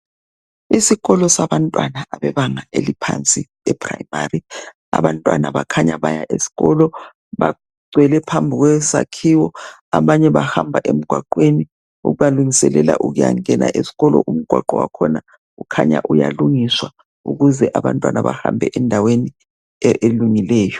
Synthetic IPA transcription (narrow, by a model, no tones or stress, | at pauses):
isiɣɔlɔsaβantʼwanaaβɛβaŋaʔelipʰant͡sʼi | ɛpʰraimari | a̰βantʼwa̰naβakʰaɲaβajaʔesi̥ɣɔlɔ | βa | ɡ͡ǀʱwɛlɛpʰambʱiɣwɛsakʰiwɔ | aβaɲɛβahambʱaʔem̩ɡ̥ʱwaǃweni | ṵɣujaluŋisɛlɛla̰ʔuɣuja̰ŋɛna̰ʔesi̥ɣɔlɔ̰ʔum̩ɡ̥ʱwaǃɔwa̰kʰɔna | ukʰaɲa̰ʔuja̰luŋiswa | ṵɣuzɛʔaβantʼwanaβahambʱɛʔɛndʱaweni | eluŋilɛːjɔ